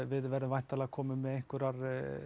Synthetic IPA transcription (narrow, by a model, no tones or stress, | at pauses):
vɪðvɛɾʏvajn̥t̪alakʰɔːmʏmːɛðejŋkʏɾaɾ